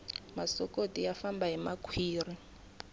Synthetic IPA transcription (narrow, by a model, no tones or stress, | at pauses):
masɔkotijafambaɦimakʰwiːri